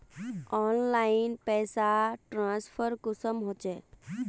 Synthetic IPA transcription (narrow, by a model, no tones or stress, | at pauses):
ɔːnlaɪnpɛːsaʈɾãspʰəɾkʊsəmɦot͡ʃe